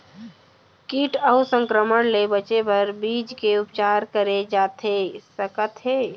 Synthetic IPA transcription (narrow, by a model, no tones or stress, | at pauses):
kiːʈəʊsə̃ŋkɾəməɽlebət͡ʃepɐɾbiːd͡ʒkeʊpt͡ʃaːɾkəɾed͡ʒaːt̪ɦeːsəkət̪ɦeː